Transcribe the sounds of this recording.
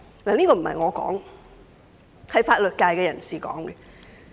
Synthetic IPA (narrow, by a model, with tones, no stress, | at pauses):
naː˨˩niː˥kɔː˧m̩˨˩hɐ̰˨jŋɔː˨˧kɔ̰ː˨˥ŋ | hɐ˨jfaː˧t̚lɵ˨t̚kaː˧jkɛː˧jɐ˨˩nsiː˨˩kɔ̰ː˨˥ŋɡɛ˧